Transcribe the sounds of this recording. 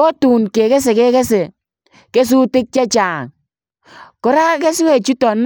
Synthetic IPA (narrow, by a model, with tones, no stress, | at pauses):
o˦tu˨nke˨kɛ˦s̬e˨kɛ˦kɛ˦se˨ | ke˦s̬u˦tɪ˦k̚t͡ʃa˦t͡ʃaː˨ŋ | kɔ˦ɾa˦kɛ˦swe˦˨t͡ʃu˦tɔ˨n